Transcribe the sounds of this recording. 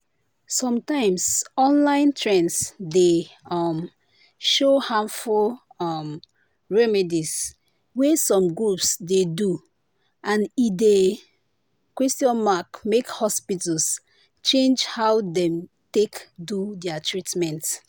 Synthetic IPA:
sɔ̃mtãɪ̃msɔ̃nlãɪ̃ntʰɹɛ̃nsdeɔm | ʃohãnfulɔm | ɹɛmɛdis | wɛsɔ̃mɡɹupsdedu | ʔãnide | kwɛstiɔ̃nmakmekhɔspitəls | t͡ʃẽnd͡ʒhawdɛ̃m | tekdudɛatʰɹitmɛ̃nt

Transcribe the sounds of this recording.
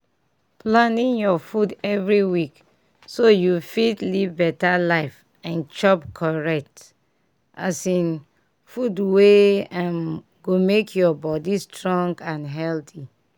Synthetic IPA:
plãnĩnjɔfudɛvɹiwik | sojufitlivbɛtalaɪf | ãnt͡ʃɔpkʰɔɹɛk̚t | ʔa̰sĩn | fudweãm | ɡomekʰjɔbɔdistɹɔ̃ŋɡãnɦɛlti

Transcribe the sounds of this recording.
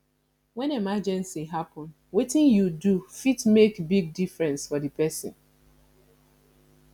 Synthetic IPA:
wɛ̃nemad͡ʒɛ̃nsiɦapɔ̃n | wetɪ̃njudufitmekbiɡ̚difɹɛ̃nsfɔdɨpɛsɔ̰̃n

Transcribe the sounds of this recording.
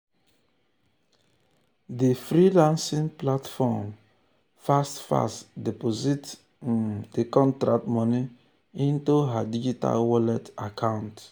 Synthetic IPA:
difɾilãnsĩŋplatfɔm | fastfa̰stdepozit | dekɔ̃ntɾak̚tmɔ̃ni | ĩntuɦadid͡ʒita̰lwɔlɛtakʰãʊ̃nt

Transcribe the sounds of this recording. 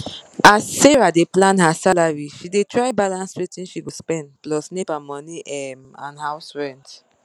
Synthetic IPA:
aseɹadeplãnhasalaɹiʃidetɹaɪbalãnswetĩnʃiwispɛ̃ndplɔsnepamɔniʔɛmã̰nhaʊsɹɛ̃nt

